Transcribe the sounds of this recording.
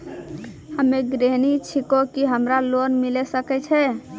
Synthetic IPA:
həmeɡɾeɦnit͡ʃʰikokiɦəmɾalonmilɛsəkɛt͡ʃʰɛ

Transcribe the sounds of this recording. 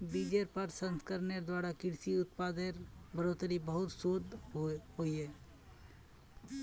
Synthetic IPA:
biːd͡ʒeɾpəɾsə̃nskəɾneɾd̪waːɾakɪɽsiʊt̪paːd̪eɾbəɾoːt̪ɾibəɦʊt̪soːd̪ɦoiɦɛː

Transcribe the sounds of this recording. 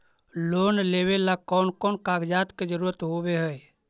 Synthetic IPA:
loːnleːwelakɔːnkɔːnkaːɡd͡ʒaːt̪ked͡ʒəɾuːɾət̪ɦoːweɦəe

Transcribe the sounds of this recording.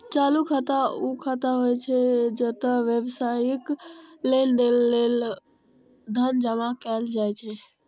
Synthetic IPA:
t͡ʃalukʰət̪aukʰət̪aɦojt͡ʃʰɛd͡ʒət̪əʋjəbsajəklend̪elːel | d̪ʱənd͡ʒəmakɛld͡ʒajt͡ʃʰɛ

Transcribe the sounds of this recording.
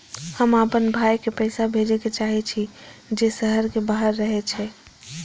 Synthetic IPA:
həmapənbʱaːjkepəɪsabʱed͡ʒeket͡ʃaɦit͡ʃʰid͡ʒesəɦəɾkebaɦəɾːəɦet͡ʃʰɛ

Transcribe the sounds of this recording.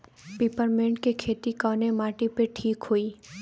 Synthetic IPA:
piːpəɾmẽːɳʈkekʰeːt̪ikɔːnemaːʈipeʈʰiːkɦoːiː

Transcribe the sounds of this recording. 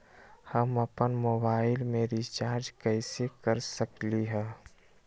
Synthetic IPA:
həməpənmoːbaːɪlmẽɾit͡ʃaːɾd͡ʒkɛːɪsekəɾsəkliɦɛː

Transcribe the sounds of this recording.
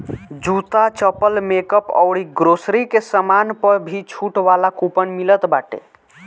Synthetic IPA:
d͡ʒut̪at͡ʃəpəlmekəpɔ̰ʊɽiɡɾosɾikesəmanpəɾbʱit͡ʃʰuʈʋalakupənmilət̪baʈḛ

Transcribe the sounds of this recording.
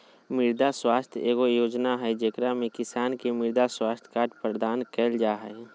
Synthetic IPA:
mɪɾd̪aswaːst̪ʰjeːɡojoːd͡ʒnaɦəjd͡ʒeːkɾamẽkɪsaːnkemɪɾd̪aswaːst̪ʰkaːʈpɾəd̪aːnkɛːld͡ʒaːɦə

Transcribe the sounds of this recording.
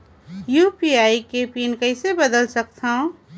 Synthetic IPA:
juːpiaːikepinkəɪsebəd̪əlsək̚t̪ʰaõ

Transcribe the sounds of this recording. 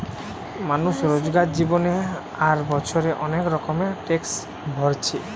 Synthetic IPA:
manuʃɾod͡ʑɡaɾd͡ʑibone | aɾbɔt͡ɕʰoɾeʔɔnekɾɔkomeʈeks | bʱɔɾt͡ɕʰi

